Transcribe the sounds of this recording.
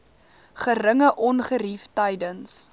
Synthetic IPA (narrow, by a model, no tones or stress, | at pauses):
χəɾəŋəʔɔnχəɾiftəjdəns